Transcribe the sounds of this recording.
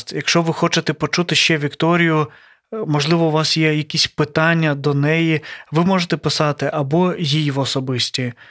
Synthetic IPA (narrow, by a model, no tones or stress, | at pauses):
t̪jɐkʃt͡ʃɔʋɪxɔt͡ʃet̪ɛpɔt͡ʃut̪ɪʃt͡ʃɛʋʲikt̪ɔɾʲijʊ | mɔʒlˠɪʋɔʊʋɑsjɛjɐkʲisʲpɪt̪ɑnʲːɐd̪ɔnɛjiʋɪmɔʒet̪ɛpɪsɑt̪ɪʔɐbɔjijʋɔsɔbɪsʲtʲi